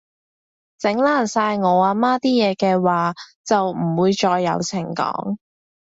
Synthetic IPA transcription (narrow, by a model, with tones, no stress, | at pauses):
t͡sɪ˨˥ŋlaː˥˩nsaː˧jŋɔː˨˧aː˧maː˥t̪iː˥jɛː˨˧kɛː˧waː˨˧t͡sɐ˨wm̩˨˩wuː˨˧jt͡ʃɔː˧jːɐ˨˧wt͡sʰɪ˨˩ŋkɔ̰ː˨˥ŋ